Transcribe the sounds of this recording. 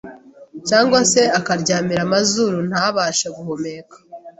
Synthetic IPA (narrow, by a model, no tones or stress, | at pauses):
caːŋɡwase̞akaɾɟaːmiɾamazuɾun̥haβaːʃaɡuhome̞kḁ